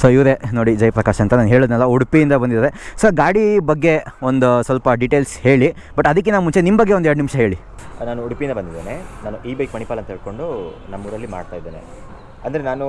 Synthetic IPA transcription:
soːiʋɾenoːɽid͡ʒɐjɐpɾɐkaːʃɐnt̪ɐnaːnɦeːɭod̪nɛlːɐuɽpijind̪ɐbɐnd̪id̪aːɾesoɡaːɽibɐɡːe̞o̞nd̪usʋɐlpɐɖiʈeːlshe̞ːɭi | bɐʈːɐd̪ɐk̬ːenaːʋmunt͡ʃe̞nimːɐbɐɡːeond̪ɛɾɽɖnimʂɐɦe̞ːɭi | naːnuuɽpiind̪ɐbɐnd̪id̪eːnenaːnuʔiːbɐɡepɐɳipaːlɐnt̪ɐeiɭko̞ɳɖu | nɐmːuʋɾɐlːima̰ːɖt̪aːjd̪ːeːne | ɐnd̪ɐɾenaːnu

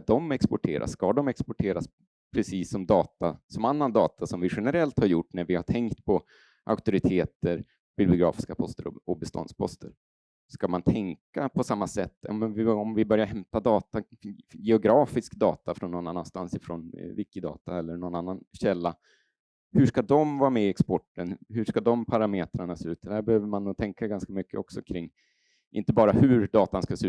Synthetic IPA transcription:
d̪ɔmɛkspɔʈʰeːɾʔa̰sːkad̪ɔmɛkspɔʈʰeːɾas | pʰɾɛsiːsːɔmd̪ɑːt̪asɔmanːand̪ɑːt̪ʰasɔmvɪɧɛnəɾɛlt̪haɾjʊʈːnæɾvɪhaʈʰɛŋkt̪pʰɔ | ʔa̰ʊk̚t̪ʊɾɪt̪ʰeːt̪əɾ | b̥ʏblɪʊɡɾɑ̰ːfɪskapʰɔst̪əɾɔ̰ɔbɛst̪ɔ̰nd̪spʰɔ̰st̪əɾ | skamant̪ʰɛŋkapʰɔsamːasɛt̪ːɔ̰mvɪɔmvɪbœɾjaɾɦɛmt̪ad̪ɑːt̪ajɛʊɡɾɑːfɪskd̪ɑ̰ːt̪ʰafɾɔnːɔnːanːa̰nst̪ansɪfɾɔnvɪkːɪd̪ɑ̰ːt̪aɛlːəɳɔnanːanɕɛlːa | hɵʂkad̪ɔmvɑːɾmɛɪɛkspɔʈːənhɵʂkad̪ɔmpʰaɾameːt̪ɾaɳaseʉ̟ːt̪ːæɾbɛhøːvəɾmanːuːt̪ʰɛŋkaɡanskamʏkːəɔksɔkʰɾɪŋː | ʔɪ̰nt̪əbɑːɾahɵɾd̪ɑːt̪anskaseʉ

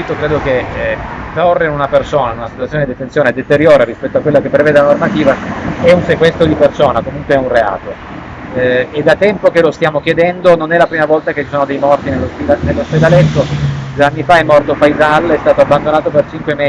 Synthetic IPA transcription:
it̪okɾeːd̪oke | t̪orːeinunapersoːnanunasit̪wat̪sjoneid̪et̪ːensjoːned̪et̪eɾjoːɾeɾispɛt̪ːoakwelːakepːɾeveːd̪elanormat̪iːvaɛunsekwɛst̪ɾod̪ipersoːnakomuŋkweɛunrea̰ːt̪o | ed̪at̪ːɛmpokelost̪jaːmokjed̪ɛnd̪ononɛlapɾiːmavɔlt̪aket͡ʃːi̥soːnod̪ejmɔrt̪inelːosped̪anelːosped̪alɛt̪ːod̪weanːifaɛmːɔrt̪ofajzalɛst̪aːt̪oabːand̪onaːt̪opert͡ʃiŋkwemɛ

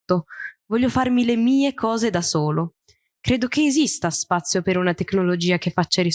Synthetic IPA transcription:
t̪ovɔʎːofarmilemiːekʰɔːzed̪asoːlo | kɾeːd̪okeːzist̪aspat̪sːjopeɾunat̪ekːnolod͡ʒiːak̟efːat͡ʃːaɾi

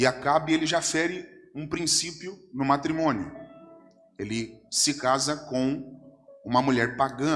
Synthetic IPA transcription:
ɪakabɪelɪʒafɛɾɪũpɾĩsipjʊnʊmat̪ɾimõnjʊ̰ | elɪsɪkazɐkõw̃ | ũmɐmuʎɛɾpaɡɐ̃

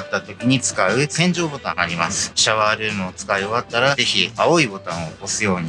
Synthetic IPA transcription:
at̪ːat̪o̞kʲiɲ̟it͡sɨ̥kaɯ̟sẽ̞ɲ̟d͡ʑo̞ːbo̞t̪ãŋaːɾʲima̰sɨ̥ɕaβaːɾɯ̟ːmɯːt͡sɨ̥kaio̞βat̪ːaɾaze̞çiao̞ibo̞t̪ãɰ̃oko̞sɨjo̞ːɲ̟i

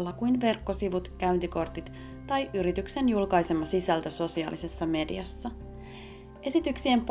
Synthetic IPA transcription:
lːɑkujnʋe̞rkːo̞siʋut̪kæynt̪iko̞rt̪it̪ | t̪ɑjʔyɾit̪ykse̞njulkɑjsemːɑsisælt̪æso̞siɑ̰ːlise̞sːɑme̞dḭɑsːɑ | ʔe̞sit̪yksiemp

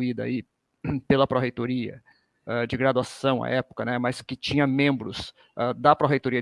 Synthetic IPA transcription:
id̪ɐ̰i | pelɐpɾoɦejt̪oɾiɐ̰ | ɛd͡ʒɪɡɾad̪uasɐ̃w̃a̰ʔɛpʊ̥kɐnɛmɐskɪt͡ʃĩɲɐmẽmbɾʊs | ad̪ɐpɾoɦejt̪oɾiɐ

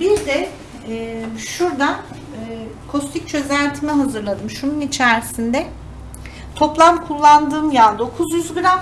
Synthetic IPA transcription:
biɾd̪ɛ | ɛːʃuɾd̪anː | kʰo̞st̪ʰic̚ʲt͡ʃʰø̞zænʲt̪ʰimɛɦazɯɾlˠad̪ɯmʃununit͡ʃʰæɾsind̪ɛ | t̪ʰo̞plˠamkʰulˠːand̪ɯːmjad̪o̞kʰuzjyzɡɯɾam

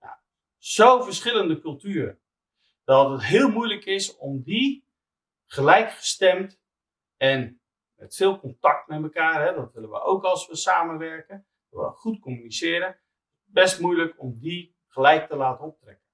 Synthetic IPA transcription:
ja̰ | z̥owvərsχɪləndəkɵlˠtyːɾə | d̥ɔtətɦɪːlˠmujləkɪsɔmdi | χəlɛjkχə̥stɛmt | ɛn | mɛ̰tfɪːlˠkɔntɑk̚tmɛtməkaːrɦɛdɔtʋɪlənʋə̰ʔo̰wkɑlˠsʋəsaːmənʋɛrkən | ʋə̰χutkomynisɪːəɾən | bɛstmujləkɔmdi | χəlɛjk̚təlaːtənɔp̚trɛ̰kən

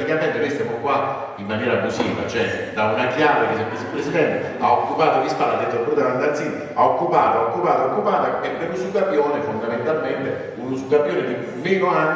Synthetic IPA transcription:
ikaɛnt̪ːonojst̪jamokwa | imːanjɛːɾabusiːva̰t͡ʃoɛd̪aunakjaːvekesepːesipɾesid̪ɛnt̪e | a̰okːupaːt̪olispalːad̪ɛt̪ːopːuɾd̪aɾand̪aɾsin | aokːupaːt̪oaokːupaːt̪aokːupaːt̪aebeɾusukːapjoːnefond̪ament̪alment̪e | unusuɡapjoːnek̪i | viɡola

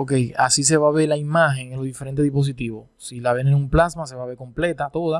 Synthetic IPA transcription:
oke̞jasis̬e̞βaβe̞ɾlaimaxe̞ŋenloðifeɾent̪eðipo̞s̬it̪iβo | silaβenenumplasmas̬e̞βaβe̞ɾko̞mple̞t̪at̪o̞ða

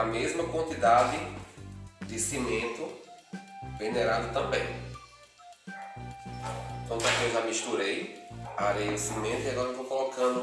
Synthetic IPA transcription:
ɐmezmɐkwɐ̃nt̪id̪ad̪ɪ | d̪ɪsimẽnt̪ʊ | veneɾad̪ʊt̪ɐ̃mbẽj̃ | k̪ɐ̃kɐveʒamiʃt̪uɾejaɾejʊsimẽnt̪ʊiaɡɔɾɐewvowkɔlɔkɐ̃nd̪ʊ

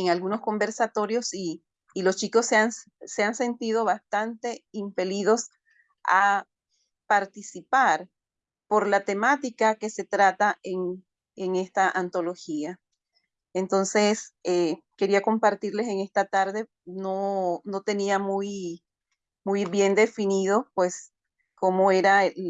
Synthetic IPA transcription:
eŋalɣuno̞sko̞mbe̞ɾsat̪o̞ɾjo̞siː | lo̞st͡ʃiko̞sean | se̞anse̞nt̪iðo̞βast̪ant̪e̞impe̞liðo̞s | a | paɾt̪isipaɾ | po̞ɾlat̪emat̪ikake̞se̞t̪ɾat̪aeŋ | eŋe̞st̪aʔant̪o̞lo̞xia | ent̪o̞nse̞seke̞ɾiako̞mpaɾt̪iɾle̞se̞ŋe̞st̪at̪aɾðe̞ | nono̞t̪e̞niamuj | mujβje̞nd̪e̞finiðo̞pwe̞s | ko̞moe̞ɾa

